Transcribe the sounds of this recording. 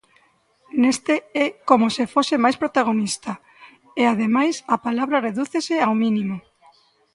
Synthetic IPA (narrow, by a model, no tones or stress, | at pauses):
nest̪eɛkomosefosɪmajspɾot̪aɣ̞onist̪ɐ | eaðemajsapalaβɾɐreðuθeseawminĩmo